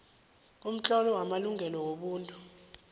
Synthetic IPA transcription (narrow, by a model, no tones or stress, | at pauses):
um̩t͡ɬʼɔlɔwamaluŋɡʱɛlɔwoɓuːntʼu